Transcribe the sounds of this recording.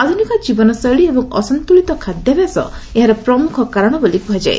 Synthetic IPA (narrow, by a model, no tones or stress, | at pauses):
ad̪ʱunikɔd͡ʒibɔnɔsəɭiebɔŋɔ̰sɔnt̪uɭit̪ɔkʰad̪ʱjɔbjasɔ̰eɦaɾɔpɾɔmukʰɔkaɾɔɽ̃ɔbolibʱɔd͡ʒa̰ḛ